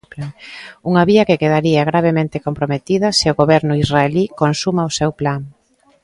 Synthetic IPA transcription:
uŋɐβiɐkekeð̞aɾiaɣɾaβ̞emẽnt̪ekompɾomet̪iðɐsɪʊɣoβɛɾnʊizraelikonsumaʊsewplaŋ

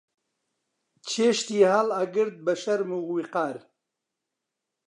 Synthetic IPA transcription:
t͡ʃʰeʃt̪iːhalaɡɨɾd̪̚bɐʃɐɾmuɣwiqaːɾ

